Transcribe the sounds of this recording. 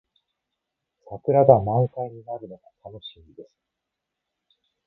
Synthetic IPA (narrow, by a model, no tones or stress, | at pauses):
sakɯ̟ɾaɡamãŋkaiɲ̟inaɾɯ̟no̞ɡat̪ʰano̞ɕimʲid̪e̞sɨ̥